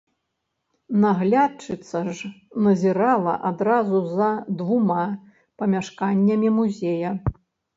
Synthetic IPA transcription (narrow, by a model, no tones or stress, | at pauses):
naɣlʲat͡ʂɨt̪sɐʐnɐzʲɛɾalˠɐ̰ʔad̪ɾazuzɐd̪vuma | pɐmʲaʂkanʲːɐmʲimuzʲejɐ